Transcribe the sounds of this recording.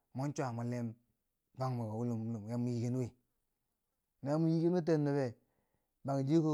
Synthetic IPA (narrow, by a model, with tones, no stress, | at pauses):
mo˦n˦t͡ʃʷa˨mu˨le˦m | ba˦ŋmo˨ɡa˨wu˦lu˨mu˦lu˨mja˦mu˨˦ji˦ki˦n˦wi˨ | na˨ja˦mu˦ji˦ki˦n˦u˦t̬e˦˨nːu˨be˨ | ba˨ŋ˨d͡ʒi˦ku˦